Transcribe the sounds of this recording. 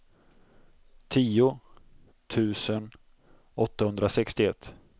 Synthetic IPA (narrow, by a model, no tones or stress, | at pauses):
t̪ʰiːʊ | t̪ʰʉ̟ːsən | ɔt̪ːahɵnd̪ɾasɛkst̪ɪɛt̪ː